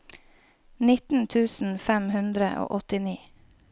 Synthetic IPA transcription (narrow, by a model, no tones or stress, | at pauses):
nɪt̪n̩t̪ʰʉːsn̩fæmhʉnd̪ɾə̰ʔo̰ːʔɔt̪ɪniː